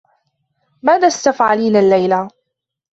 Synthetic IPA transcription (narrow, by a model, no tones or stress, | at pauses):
maːðaːst̪afʕaliːnalːajla